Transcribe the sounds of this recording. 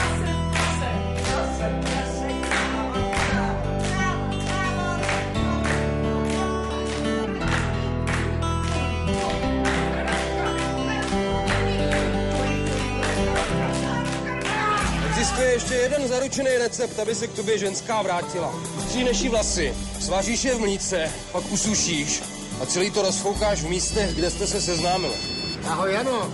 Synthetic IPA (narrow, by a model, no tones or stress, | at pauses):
ɛɡzɪst̪ujɛjɛʃcɛjɛdɛnzaɾut͡ʃɛnɛjɾɛt͡sɛp̚t̪abɪsɛk̚t̪o̞bjɛʒɛnskaːvɾaːcɪla | st̪r̥iːnaʃiːvlasɪsvaːriːʃjɛvmliːt͡sɛ | pakʔusuʃiːʃ | ʔat͡sɛliːt̪o̞ɾosfowkaːʃvmiːst̪ɛɣɡdɛst̪ɛsɛsɛznaːmɪlaɦojano